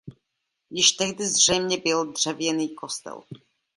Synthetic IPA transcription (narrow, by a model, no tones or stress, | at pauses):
jɪʃt̪ɛɣdɪzr̝̥ɛjmɲɛbɪld̪r̝̥ɛvjɛniːkost̪ɛ̰l